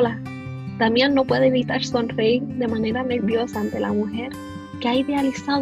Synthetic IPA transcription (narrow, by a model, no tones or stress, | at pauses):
la | t̪amjenːo̞pwe̞ðeeβit̪aɾso̞nreiɾd̪e̞mane̞ɾane̞ɾβjo̞saːnt̪e̞lʔamuxe̞ɾ | keaiðe̞alisa